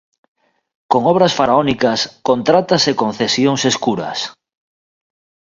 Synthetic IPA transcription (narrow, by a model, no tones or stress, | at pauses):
koŋɔβ̞ɾasfaɾaonikaskont̪ɾat̪asekõnθesjoŋseskuɾɐ̰s